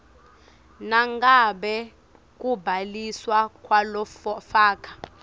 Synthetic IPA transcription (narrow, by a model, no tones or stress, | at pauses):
naŋɡaɓɛ | k̬ʼubʱaliswakʼwalɔfaːkʰʼḁ